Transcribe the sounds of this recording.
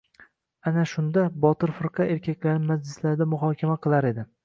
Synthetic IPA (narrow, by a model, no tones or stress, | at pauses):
anaʃʊnd̪abɒt̪ɪɾfɨɾqʰɑe̞ɾkʲakʲlaɾnɪmad͡ʒlɪslaɾɪd̪amʊɦɒːkʲʰamaqʰɨlˠaɾe̞d̪ɪ